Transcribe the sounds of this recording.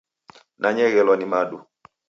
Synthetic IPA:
nʔaɲɛɣɛlɔnimaɗu

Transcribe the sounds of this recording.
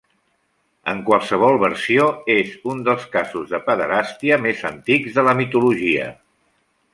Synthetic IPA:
ə̰ŋkwəlˠsəβ̞ɔlˠβəɾsioezund̪əlˠskazuzðəpəðəɾast̪iəmezənt̪ikzðələmit̪uluʒiə̰

